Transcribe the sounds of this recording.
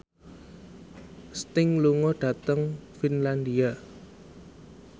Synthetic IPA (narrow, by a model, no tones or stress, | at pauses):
st̪ɪŋluŋɔɖ̥a̤t̪əŋfinland̪ia